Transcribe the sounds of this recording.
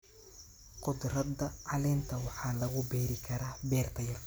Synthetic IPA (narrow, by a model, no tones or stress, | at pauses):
qʊd̪rɐd̪ɐʕɑlɛːnt̪ʰɐwɑħɑːlɐɣʊbɛːɾɪkʰɐɾaːbɛːrt̪ʰɐjɐl